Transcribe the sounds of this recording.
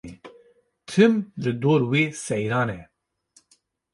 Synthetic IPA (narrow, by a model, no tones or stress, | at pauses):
t̪ʰɨmlɨd̪oːɾweːsɛjɾɑːnɛ